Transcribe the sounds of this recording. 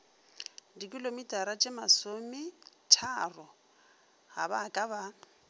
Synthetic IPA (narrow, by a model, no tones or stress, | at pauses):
dikʼilomitʼaɾat͡ʃʼɪmasomɪt͡ʃʰarɔ | ha̰bakʼaba